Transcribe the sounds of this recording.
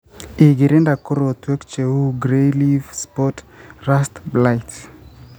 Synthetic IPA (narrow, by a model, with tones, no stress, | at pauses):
i˨ɡi˨ɾɛ˦nda˨ko˦ɾo˨t̪wɛ˦kt͡ʃe˨u˦ɡɾelivspɔt | ɾastblajt